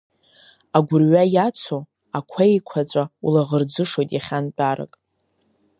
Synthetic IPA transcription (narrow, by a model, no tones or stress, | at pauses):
aɡʷʊrɥajat͡sʷʰo | akʷʰaekʷʰat͡sʷʼaṵlaʁərd͡zɨʂo̞jtʼjaχʲant͡pʼaɾa̰kʼ